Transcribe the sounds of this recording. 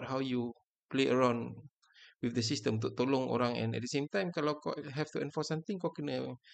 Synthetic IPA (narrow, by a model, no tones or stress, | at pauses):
t̚ɦawju | pleʔəɹawn | wifdəs̬istə̃mũt̪oʔt̪olɔ̃ŋo̰ɾãŋɛ̰̃nɛ̰t̚dəsẽmt̪ãjmkalawkɔ̰ʔɦɛftuɛ̃nfɔsãmt̪ĩŋkɔʔkunə